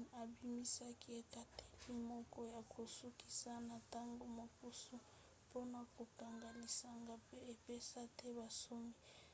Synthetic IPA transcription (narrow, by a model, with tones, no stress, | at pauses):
a˨bi˦mi˦sa˦ki˦e˨ka˨te̥˦li˨mɔ˦kɔ˦ja˨kʰo˨su˦ki̥˦sa˦na˨ta˦ŋɡo˨ma˨ku˦su˦ | po˦na˨ko˨ka˨ŋɡa˨li˨sa˨ŋɡa˨pe˦e˨pe˦sa˦tɛ˦ba˨so˦mi˦